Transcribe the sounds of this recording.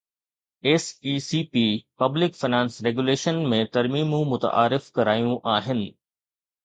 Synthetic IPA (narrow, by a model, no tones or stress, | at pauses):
eːsiːsiːpiːpɐblɪkfɪnãːnsɾeːɡuleːʃənmẽt̪ɐɾmiːmũmʊt̪ə̰ʔa̰ːɾɪfkɐɾaːjũʔaːɦɪnɪ̆